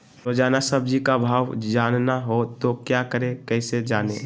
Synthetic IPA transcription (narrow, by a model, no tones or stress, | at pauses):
ɾod͡ʒaːnasəb̚d͡ʒikabʱaːwd͡ʒaːnnaɦot̪okjakəɾẽkɛːsed͡ʒaːnẽ